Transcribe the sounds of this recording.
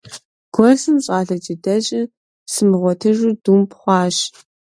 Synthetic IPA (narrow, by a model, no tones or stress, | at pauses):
ɡ̥ʷɔrsɨnɕʼaːɮɐt͡ʃʼidɐɕʼɪ | sɨmɨʁʷɔtʰɨʒuduːmpʰχʷɑːɕ